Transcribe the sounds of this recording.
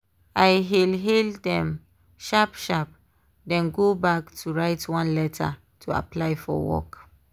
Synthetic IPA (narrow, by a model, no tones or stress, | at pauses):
ajɦilɦeldɛ̃m | ʃapʃap̚ | dɛ̃nɡobaktʰuɹaɪtwãnlɛtʰa̰ | tʰua̰plajfɔ̰wɔ̰k